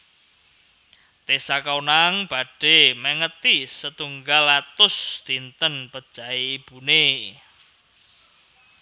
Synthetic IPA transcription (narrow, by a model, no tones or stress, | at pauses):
t̪esakawnaŋb̥a̤ɖ̥e̤mɛŋət̪isət̪uŋɡalat̪ʊsd̪̥i̤nt̪ənpəd̥ʒ̥a̤iːb̥une